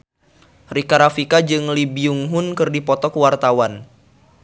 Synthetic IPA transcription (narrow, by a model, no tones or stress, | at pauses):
rikaɾafikad͡ʒɨŋlibiuŋɦʊnkɨrdipɔt̪ɔkəwart̪awan